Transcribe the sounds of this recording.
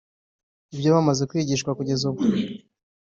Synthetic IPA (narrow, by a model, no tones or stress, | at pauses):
ibjo̞βamaze̞kwiːɟiːʃkwakuɟe̞zubɡu